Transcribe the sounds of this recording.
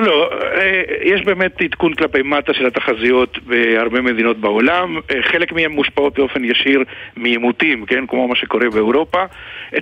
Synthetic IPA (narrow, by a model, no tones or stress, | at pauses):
loejeʃbe̞ːme̞t̪it̪kunklape̞jmat̪aʃe̞lat̪aχazijo̞t̪beaʁbe̞me̞d̪ino̞t̪bao̞lamχelekmihemːuʃpao̞t̪̚beo̞fe̞njaʃiʁmijemut̪imke̞nkmo̞maʃe̞ko̞ʁe̞beewʁo̞paʔ